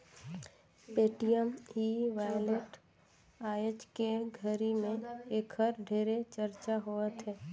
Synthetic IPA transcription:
peːʈijəmiʋaːjleʈ | aːjot͡ʃkeɡʱəɾimẽeːkʰəɾɖʱeːɾet͡ʃəɾt͡ʃaɦoət̪ɦɛː

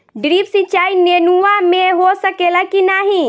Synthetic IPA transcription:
ɖɾiːpsit͡ʃaːinenuamẽɦosəkelakinaɦĩ

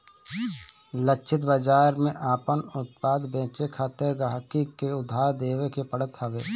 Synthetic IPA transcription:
ləkt͡ʃʰɪt̪̬bəd͡ʒaːɾmẽʔaːpənʊt̪̚paːd̪bẽːt͡ʃekʰaːt̪eɡaɦkikeʊd̪ʱːaːɾd̪eːʋekepəɽət̪ɦɐʋeː

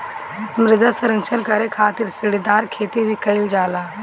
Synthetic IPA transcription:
mɾɪd̪əsɐɾə̃ŋt͡ʃʰənkɐɾekʰaːt̪ɪɾsɪɽid̪aːɾkʰeːt̪ibʱikɐɪld͡ʒaːlaː

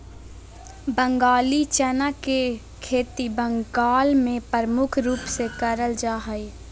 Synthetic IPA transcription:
bə̃ŋɡaːlit͡ʃənəke | kʰeːt̪ibə̃ŋɡaːlmẽpəɾəmʊkʰɾuːpsekəɾəld͡ʒaːɦəi

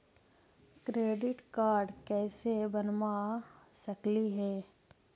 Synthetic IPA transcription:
kɾeːɖɪʈkaːɾɖkɛːsebɐnmasɐkliɦɛː

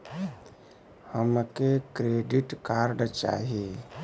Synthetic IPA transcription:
həmkekɾeːɖiʈkaːɾɖt͡ʃa̰ːɦie

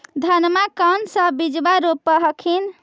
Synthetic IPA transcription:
d̪ʱənmakansə̃bid͡ʒbaɾopːəɦəkʰin

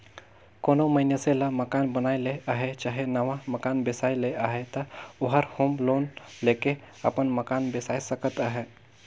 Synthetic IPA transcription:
koːnoməɪnjeselaməkaːnbənaːileaːɦet͡ʃaːɦenɐʋaməkaːnbɪsaːileaːɦet̪əʊɦəɾhõmloːnleːke | ɐ̰pənməkaːnbɪsaːisəkət̪aɦɛː

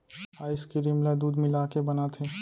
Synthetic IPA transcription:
aːɪskiɾɪmlad̪uːd̪mɪlakebɐnat̪ʰeː

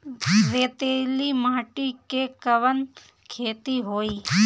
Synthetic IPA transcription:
ɾeːt̪eːlimaːʈikekəʋən | kʰeːt̪iɦoːiː

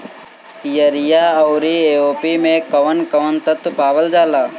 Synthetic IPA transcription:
jəɾijaːɐʊɾieːoːpimẽkɐʋənkəʋənt̪ət̪paːʋəld͡ʒaːlaː

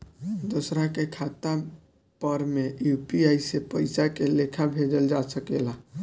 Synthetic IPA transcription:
d̪osɾakekʰat̪a | pəɾmejupiaisepəɪsakelekʰabʱed͡ʒəld͡ʒasəkela

